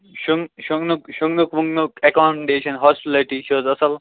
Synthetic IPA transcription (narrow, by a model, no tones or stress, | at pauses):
ʃuŋʃuŋnukʃuŋnukʋuŋɡnukekaːmɖeːʃɐnɦɔːsʈliʈiʃoːzɐsəl